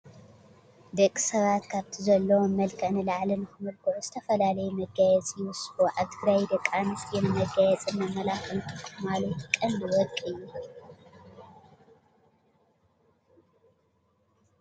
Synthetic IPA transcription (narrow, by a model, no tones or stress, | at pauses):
d̪ɐkʼːi̥sɐβat̪kʰaβt̪ʰizɐlːɐwomɐlkʰɨʕnɨlaʕlɨnɨxɨmɨlɡuʕuzɨt̪ʰɐfɐlalɐjumɐɡajɛt͡sʼjɪwʊsuʕaβt̪ʰɨɡɾajd̪ɐkʼːanɨsjɛnɨmɐɡajɛt͡sʼɨnmɐmɐlakʰɐlt̪ʰɨxmalɐt̪kʼɐlːiwɔkʼɨjːu